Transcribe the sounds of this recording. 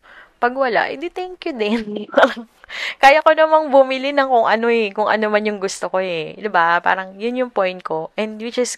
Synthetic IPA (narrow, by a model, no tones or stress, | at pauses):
pɐɡwɐla̰ʔɛ̰d̪ɪt̪ɛŋkjʊd̪ɛnɐɾɐŋkaːjɐkonɐmɐŋbʊmɪlɪnɐŋkʊŋʔɐno̞ɛkʊŋʔɐ̰nomɐnjʊŋɡʊst̪okoɛd̪ɪbapa̰ːɾɐŋjʊnjʊŋpojnt̪̚ko̞ʔɛnd̪wɪt͡ʃɪs